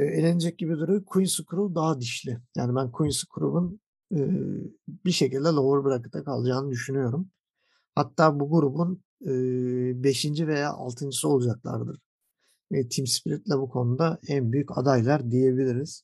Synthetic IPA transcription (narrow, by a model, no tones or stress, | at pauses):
ɛelʲenid͡ʒɛc̚ɟibid̪uɾujkʰujnsɯkʰuɾubd̪aɦad̪iʃlʲɪja̰ːnibænkʰujinsɯ̥kʰuɾṵbun | ɯːbiʃe̞cilʲd̪ɛlˠovuɾbɯɾakɯ̥t̪ʰakʰalˠɯd͡ʒaːnɯd̪yʃynyjo̞ɾum | hat̪ʰːaːbuɡuɾubun | ɯːbe̞ʃind͡ʒive̞ja̰ːʔa̰lˠt̪ʰɯnd͡ʒɯsio̞lˠud͡ʒaklˠa̰ɾd̪ɯɾ̥ | ɛt̪ʰimspʰɾit̪lʲɛbukʰo̞nud̪aænbyjyca̰d̪ajlˠaɾd̪ije̞bilʲiɾiz̥